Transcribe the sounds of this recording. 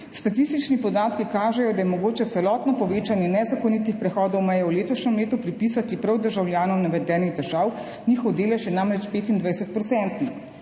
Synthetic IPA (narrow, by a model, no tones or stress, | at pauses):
st̪at̪ist̪it͡ʃnipɔd̪aːt̪kikaːʒɛjɔd̪ajɛmɔɡoːt͡ʃɛt̪sɛlɔːt̪nɔpɔʋeːt͡ʃanjɛnɛzakɔnit̪ixpɾɛxɔːd̪ɔwmɛjɛwleːt̪ɔʃnʲɛmleːt̪upɾipisat̪ipɾɐwd̪əɾʒawljaːnɔwnɛʋɛd̪ɛːniɣd̪ɛʒaw | nʲixɔwd̪eːlɛʃjɛnamɾɛt͡ʃpeːt̪ind̪ʋajsɛt̪̚pɾɔtsɛnt̪nix